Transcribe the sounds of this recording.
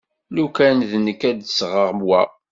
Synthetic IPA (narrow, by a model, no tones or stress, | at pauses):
lukænðnəkːæd̪sʁəʁmwæ